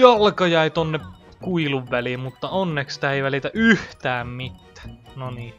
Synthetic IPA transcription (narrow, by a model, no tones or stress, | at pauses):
ɑlkɑjɑˑit̪onːe | kuiluʋʋælimmut̪ːɑonːekst̪æeˑiʋælit̪æyht̪æːmmit̪ːæ̥ːnoniː